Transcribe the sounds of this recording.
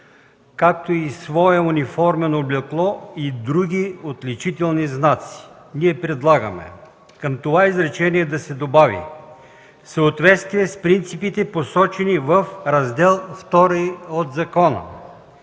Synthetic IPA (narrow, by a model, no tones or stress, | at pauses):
kakt̪oisvɔɛunifɔɾmɛnoblʲɛklˠɔid̪ɾuɡ̟ʲiot̪lʲit͡ʃit̪ɛlˠniznat̪si̥ | niɛpɾɛd̪lˠaɡəmɛ̰ | kəmt̪ovaizɾɛt͡ʃɛniɛd̪ɐsɛd̪obavḭ | səːt̪vɛt̪st̪viɛspɾint̪sipit̪ɛposɔt͡ʃɛnivəfɾɐzd̪ɛlˠft̪ɔɾiod̪zɐkɔnə̰